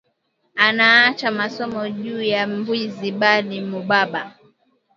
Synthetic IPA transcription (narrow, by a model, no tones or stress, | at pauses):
anaat͡ʃamasɔmɔʄuːjambwiziɓalimuɓaɓa